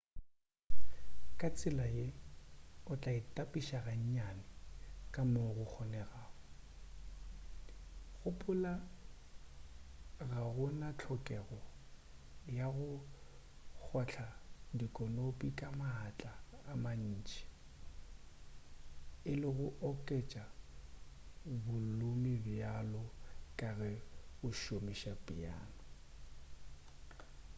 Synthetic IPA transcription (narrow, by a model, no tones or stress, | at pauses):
kʼat͡sʼɪlaje | ʊt͡ɬʼaɪtʼapʼiʃaɣaɲ̩ɲanɪkʼamoɣʊk͡xʰɔnɛɣaːɣɔ | ɣʊpʼʊla | ɣaɣʊnat͡ɬʰɔkʼɛɣɔ | jaɣʊ | k͡xʰɔt͡ɬʰadikʼɔnopʼikʼamaɦat͡ɬʼaːman̩ːt͡ʃʼi̥ | ɪlɪɣʊʔɔkʼɛt͡ʃʼa | bʊlʊmibɪalɔkʼaɣɛɣʊʃomiʃapʼia̰ːnʊ